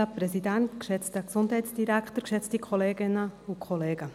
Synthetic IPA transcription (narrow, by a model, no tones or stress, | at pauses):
əprɛzidæntkʃɛt͡stəksʊndɦɛɪtsd̥iɾæktəɾkʃɛt͡stikʰχoleːɡɪnəʊkʰχɔleːɡə